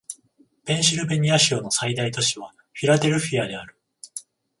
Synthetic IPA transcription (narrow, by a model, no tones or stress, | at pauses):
b̥ẽ̞ɰ̃ɕiɾɯ̟be̞ɲ̟iaɕio̞no̞said̪ait̪o̞ɕiβ̞a | ɸʲiɾad̪e̞ɾɯ̟ɸʲiad̪e̞aɾɯ̟̥